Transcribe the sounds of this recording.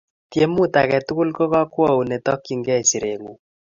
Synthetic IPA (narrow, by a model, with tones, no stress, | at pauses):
tje˦mu˦ta˨kɛ˨tu˦ku˦lkɔ˦kɔ˦kwɔ˦u˨nɛ˨tɔ˦kːi˨ŋɡɛ˦si˨ɾe˨ŋu˨